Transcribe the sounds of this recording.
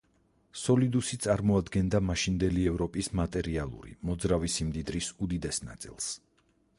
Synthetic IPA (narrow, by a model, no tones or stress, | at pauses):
sɔlid̪usit̪sʼaɾmɔad̪ɡɛnd̪amaʃind̪ɛliɛvɾɔpʼismat̪ʼɛɾialˠṵɾḭmɔd̪zɾavisimd̪id̪ɾisud̪id̪ɛsnat̪sʼḭlˠs